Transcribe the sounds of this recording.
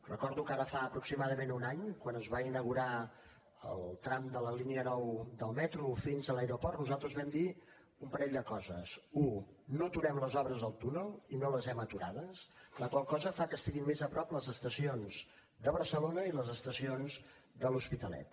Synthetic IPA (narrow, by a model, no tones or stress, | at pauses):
rəkɔɾðukaɾəfaəpɾuksimaðəmenunaɲkwanəzβainəɣuɾa | ə̰lˠt̪ɾamd̪ələliniənɔwd̪əlˠmɛt̪ɾufinzəlajɾopɔrt̪nuzalˠt̪ɾəzβɛmd̪i | umpəɾɛʎd̪əkɔzə̰sunot̪uɾɛmləzɔβɾəzðəlˠt̪unəlˠinoləzɛmət̪uɾaðəsləkwalˠkɔzəfakəst̪iɣimːezəpɾɔpləzəst̪əsionz̥ | d̪əβəɾsəlonəiləzəst̪əsionz | d̪əluspit̪əlɛ̰t̪̚